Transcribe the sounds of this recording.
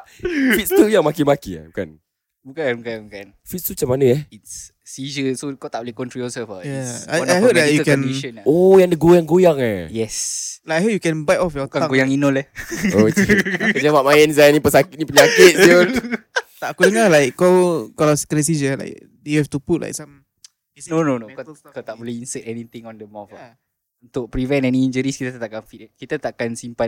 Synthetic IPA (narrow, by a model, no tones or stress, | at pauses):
fit̚st̪ujaŋmakimakia̰buka̰n | bukanbukanbukan | fit̪st̪ut͡ʃapanəɛitsː | id͡ʒəsokat̪aʔbolehkɔntɹiɔsəfajaajajɦoajukɛ̃niʃənojaŋdəɡojaŋɡojaŋajɛslakajɦop̚jukɛ̃nbajtɔfjɔt̪aãɡujaŋinɔlɛokəd͡ʒamaʔmajɛnzajnĩpəsakɪt̪̚nĩpəɲakɪt̪̚so | t̪aʔkudəŋalajkːokalawsə̥kɾɛs̬id͡ʒəla̰jk̚ | dejuhɛft̪uput̚lʔa̰jksam | nononokat̪aʔbɔliinsɛtɛnit̪iŋɔndəmɔfa | unt̪ʊk̚pɾivɛ̃nɛnind͡ʒəɾiskit̪at̪aʔkanfikit̪at̪aʔakansimpa